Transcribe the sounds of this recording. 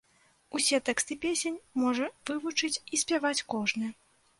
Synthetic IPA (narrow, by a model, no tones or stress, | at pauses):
usʲɛt̪ɛkst̪ɨpʲesʲenʲmɔʐɐvɨvut͡ʂɨt͡sʲisʲpʲjavat͡sʲkɔʐnɨ